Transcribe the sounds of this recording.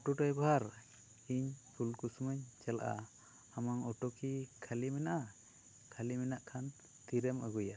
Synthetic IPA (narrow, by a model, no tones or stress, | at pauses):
ɔʈɔʈɔjbaɦaɾ | iɲpʰulkusumaɲt͡ʃala̰ʔa̰ | amaŋɔʈɔkikʰalimɛnaʔa | kʰalimɛnaʔkʰan | t̪iɾɛmaɡuja